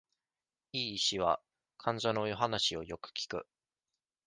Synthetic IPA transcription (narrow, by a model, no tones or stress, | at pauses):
iːɕiβa̰ | kʰãɲ̟d͡ʑo̞no̞jo̞ɦanaɕio̞jo̞kɯ̟̥kʲi̥kɯ̟